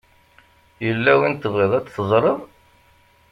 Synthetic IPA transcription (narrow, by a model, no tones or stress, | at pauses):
jəlːæwint̪ːəvʁiðˤæt͡sːθəzˤɾˤəðˤ